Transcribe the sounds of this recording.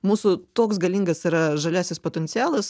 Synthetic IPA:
muːsʊt̪oːksɡɐlʲiːŋɡɐsiɾɐʒɐlʲæːsʲɪspoːt̪ʲɛnʲt̪ʲɪæːlˠɐs

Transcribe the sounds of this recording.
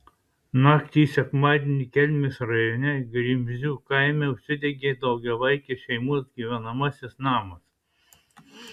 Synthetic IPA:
nɑːkt̪ʲiːsʲɛkmɑːd̪ʲenʲikʲɛlʲmʲɪsɾɐjonʲɛɡɾʲimʲzʲuːkɐɪmʲɛʊʃʲsʲɪd̪ʲɛɡʲeːd̪ɐʊɡʲɛʋɐɪkʲeʃʲɛɪmuɔsɡʲiʋʲɛnɐmɐsʲɪsnɑːmɐs

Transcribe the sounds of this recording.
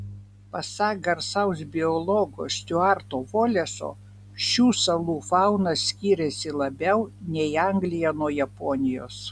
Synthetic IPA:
pɐsɑɡɐɾsɐʊs̬bʲɪɔlˠɔɡo̰ːsʲt̪ʲʊɑˑɾt̪oːʋoːlʲɛso̰ː | ʃʲuːsɐlˠuːfɑʊnɐsʲkʲiːɾʲɛsʲɪlˠɐbʲɛʊnʲɛɪɐŋʲɡlʲɪjɛnuɔjɛpɔnʲɪjo̰ːs

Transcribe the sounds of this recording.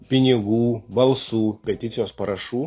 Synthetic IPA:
pʲɪnʲɪɡubɐlˠsupʲɛt̪ʲit͡s̪ʲɔspɐɾɐʂu

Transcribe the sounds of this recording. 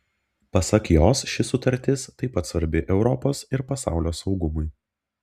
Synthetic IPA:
pɐsɐkjoːsʃʲɪsʊt̪ɐɾʲt̪ʲɪst̪ɐɪpɐt̪sʋɐɾʲbʲɪʔɛʊɾɔpoːsɪɾpɐsɑ̰ˑʊlʲoːsɒʊɡʊmʊj

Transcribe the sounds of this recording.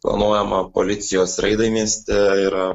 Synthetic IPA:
plˠɐ̰nuɔjɛmɐpo̰lʲɪt̪sʲɪjoːsɾɐɪd̪ɐɪmʲiɛsʲt̪ʲɛiɾɐ

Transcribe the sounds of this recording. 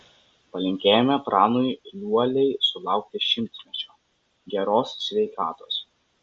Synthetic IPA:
pɐlʲɪŋʲkʲeːjɛmʲɛpɾɑːnʊɪlʲuɔlʲɛɪsʊlˠɑˑʊk̚t̪ʲɪʃʲɪmʲt̪ʲsʲmʲɛt͡ʃʲoː | ɡʲɛɾoːssʲʋʲɛɪkɑːt̪oːs

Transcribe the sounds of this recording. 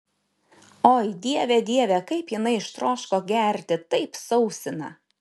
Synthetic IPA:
oːjd̪ʲiɛʋʲɛd̪ʲiɛʋʲɛkɐɪpjɪnɐɪɪʃt̪ɾoːʃkoːɡʲæɾʲt̪ʲɪt̪ɐɪpsɐʊsʲɪnɐ̰

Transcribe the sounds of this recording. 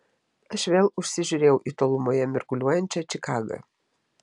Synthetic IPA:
ɐʃʋʲeːlˠʊʃʲsʲɪʒʲʊɾʲeːjɛʊʔiːt̪oːlˠʊmoːjɛmʲɛɾkʊlʲuɔjɛnʲt͡ʃʲɛt͡ʃʲɪkɑːɡɐ̰

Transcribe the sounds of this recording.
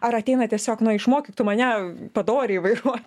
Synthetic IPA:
ɐɾɐt̪ʲɛɪnɐt̪ʲiɛsʲoːknʊɪʃmoːkʲit̪ʊmɐnʲɛpɐd̪oːɾʲeiʋɐɪɾuɔt̪ʲ

